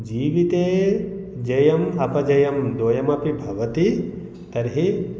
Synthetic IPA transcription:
d͡ʒiːʋit̪eːd͡ʒɐjɐmɐpɐd͡ʒɐjɐmd̪oːjɐmɐpibʱɐʋɐt̪i | t̪ɐɾɦi

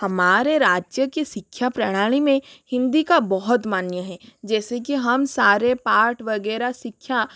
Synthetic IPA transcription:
hɐmaːɾeɾaːd͡ʒjəkisɪkʰːjapɾɐɽ̃aːɽ̃imẽhɪ̃nd̪ikabɔɦʊt̪maːnjəɦɛd͡ʒɛːsekiɦɐmsaːɾepaːʈʰʋɐɡɛːɾasɪkʰja

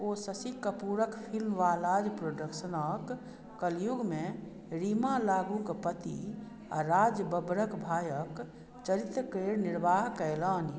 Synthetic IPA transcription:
oːsəsikəpuɾəkpʰilmʋaːlad͡ʒpɾoːɖəkʃənəkː | əljuɡmẽ | ɾimalaːɡũkpət̪ḭ | a̰ɾaːd͡ʒjəbəbɾəkbʱaːjək | t͡ʃəɾit̪ɾkeːɾnɪɾʋaːɦkələːni

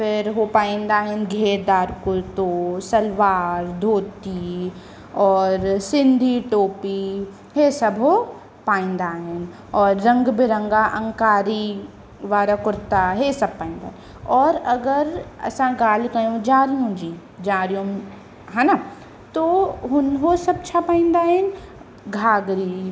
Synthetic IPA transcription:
fɪɾɦopaːɪ̃nd̪aːɦenɡʱeːɾd̪aːɾkʊɾt̪osɐlʋaːɾd̪ʱoːt̪i | ɔːɾsɪ̃nd̪ʱiʈoːpi | ɦesɐbɦo | paːɪ̃nd̪aːɦen | ɔːɾːɐ̃ŋɡbʱɪɾə̃ŋɡaʔɐ̃ŋkaːɾi | ʋaːɾakʊɾt̪aɦeːsɐb̚pːaːɪ̃nd̪a̰ːn | ɔːɾɐɡəɾɐ̰sãɡaːlkɐjõd͡ʒaːɾijũd͡ʒiː | d͡ʒaːɾjõ | ɦɛ̃na | t̪oːɦʊnɦosɐb̚t͡ʃʰapaːɪ̃nd̪aːen | ɡʱaːɡɾiː

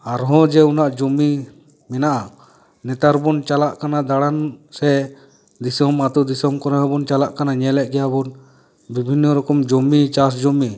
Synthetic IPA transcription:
aɾɦɔ̃d͡ʒɛunaʔd͡ʒɔmi | mɛnaʔa | nɛt̪aɾbɔnt͡ʃalaʔkanad̪aɽansɛ | d̪isɔmat̪ud̪isɔmkɔɾɛɦɔbɔnt͡ʃalaʔkanaɲɛlɛʔ̚ɡɛjabɔn | bibʱinːɔɾɔkɔmd͡ʒɔmit͡ʃas̬d͡ʒɔmi

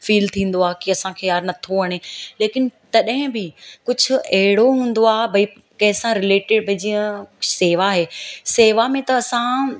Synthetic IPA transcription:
fiːlt̪ʰĩːn̆d̪oaːɦkiɐsãkʰeːjaːɾnɐt̪ʰoɐɽ̃eːleːkɪnt̪ɐɗɦɪ̃bɪkʊd͡ʑʱʊɐɦɪɽoɦũːn̆d̪oaːɦebʱɐi | kɐ̃ɦɪ̃sãɾɪleːʈɪɖbʱɐd͡ʑiə̃seːʋaɦeːseːʋamẽt̪ɐːsã

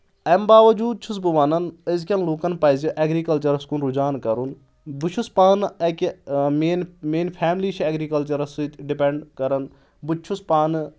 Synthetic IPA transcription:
ɐmbaːʋɐd͡ʒuːd̪̚t͡ʃʰus̬buʋaːnɐnəzkʲɐnloːkɐnpɐːziʔɛːɡɾiːkɐlt͡ʃɐɾɐskunɾud͡ʒaːnkɐɾun | but͡ʃʰuspaːnɐkmeːnmeːnpʰɛːmliːt͡ʃʰɛːɡɾiːkɐlt͡ʃɐɾɐsɖipɛɳɖkɐɾɐn | but͡ʃʰuspaːn

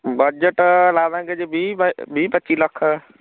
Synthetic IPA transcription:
bəd͡ʒəʈlaːãked͡ʒebʱibbʱipətːt͡ʃiləkʰ

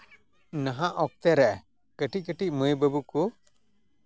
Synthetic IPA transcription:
naɦãʔɔk̚t̪ɛɾɛʔɛ | kəʈiʔ̚kəʈiʔ̚məjbəbuku

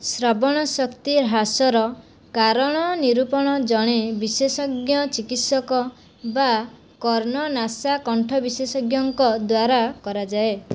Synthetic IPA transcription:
sɾɔbɔɽ̃ɔsɔkt̪iɾɦasɔɾɔ | kaɾɔɽ̃ɔniɾupɔɽ̃ɔd͡ʒɔɽ̃ebisesɔɡjɔt͡ʃikit̪sɔkɔ | ba | kɔɾnɔnasakɔɳʈʰɔbisesɔɡjɔŋkɔd̪waɾakɔɾad͡ʒae

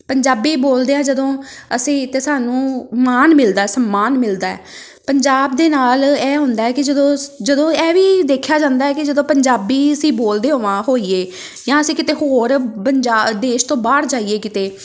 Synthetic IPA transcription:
pəɲd͡ʒaːbiːboːld̪eːãːd͡ʒəd̪õːəsĩːt̪eːsaːnũːmaːnmɪld̪aːɛːsəmːaːnmɪld̪aːɛ̰ː | pəɲd͡ʒaːb̚d̪eːnaːlɛːɦʊ̃nd̪aːɛːkɪd͡ʒəd̪õːd͡ʒəd̪õːɛːʋiːd̪eːkʰːjaːd͡ʒãːnd̪aːɛːkɪd͡ʒəd̪õːpəɲd͡ʒaːbiːəsĩːboːld̪eːɦoːʋãːɦoːiːeː | jãːəsĩːkɪt̪eːɦoːɾəɲd͡ʒaːd̪eːʃt̪õːbaːɽd͡ʒaːieːkɪt̪eː

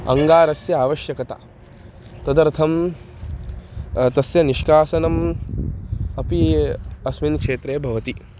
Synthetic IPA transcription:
ɐ̰ŋɡaːɾɐsjɐaːʋɐʃjɐkɐt̪a̰ | t̪ɐd̪ɐɾt̪ʰɐm | t̪ɐsjɐniʃkaːsɐnɐm | ɐpiɐsminkʂeːt̪ɾeːbʱɐʋɐt̪i

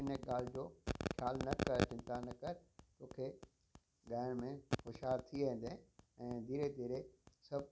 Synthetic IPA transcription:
ɪneɠaːl̤d͡ʑoːkʰjaːlnɐkəɾʈɪ̃nt̪anɐkɐɾt̪oːkʰe | ɡaːɪɽ̃mẽxʊʃɦaːɾt̪ʰiẽɦɪ̃n̆d̪eɛ̃ːd̪ʱiːɾed̪ʱiːɾesɐb̚

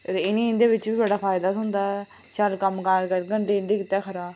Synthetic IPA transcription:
ɾɪnĩːɪnd̪eːʋɪt͡ʃʋiːbəɽaːpʰaːɪd̪aːt̪ɦʊnd̪aːɛ | ʃəlkəmkaːkəɾɡəɳɖeːɪnd̪iːkɪt̪ɛːkʰəɾaː

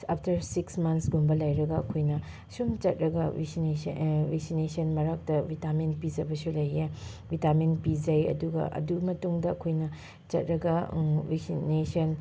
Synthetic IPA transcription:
apʰtɐɾsiksmɐnsɡumbɐlɐjɾɐɡɐɐkʰojnɐ | sumt͡ʃɐt̚ɾɐɡɐsevek̚sinesɐnmɐɾak̚tɐbʱitamenpid͡ʒɐbɐsulɐje | bʱitaminpid͡ʒɐjɐ̰duɡɐ̰ʔɐ̰dumɐtuŋdɐːkʰojnɐ | t͡ʃɐt̚ɾɐɡɐveksinesɐn

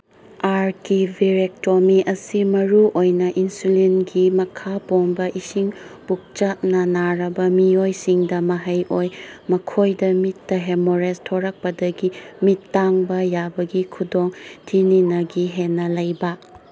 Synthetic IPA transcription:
aɾkibʱiɾek̚tomiʔɐsimɐɾuʔojnɐʔinsulinɡimɐkʰaponbɐʔisiŋb̥uk̚t͡ʃat̚nɐnaɾɐbɐmiojsiŋdɐmɐɦɐjʔojmɐkʰojdɐmitːɐɦemoɾestʰoɾɐk̚pɐdɐɡimitːaŋbɐjabɐɡikʰudoŋtʰininɐɡiɦenːɐlɐjbɐ

